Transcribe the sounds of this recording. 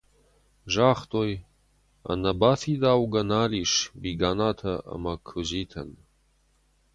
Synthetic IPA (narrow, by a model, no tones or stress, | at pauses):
ʒaːχt̪oj | a̰nɐbaːfid̪aːwɡɐnaːliʂbiɡaːnaːt̪ʰɐɐ̰makʰuziːt̪ʰɐ̰n